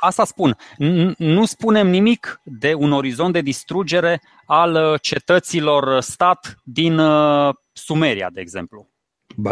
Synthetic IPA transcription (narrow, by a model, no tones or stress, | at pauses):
ast̪aspun | nuspune̞mnimikd̪e̞uno̞ɾizo̞nt̪̚d̪e̞d̪ist̪ɾud͡ʒe̞ɾe̞ | alt͡ʃe̞t̪ət̪silo̞rst̪at̪d̪in | sume̞ɾḭa̰d̪e̞ːɡze̞̰mplu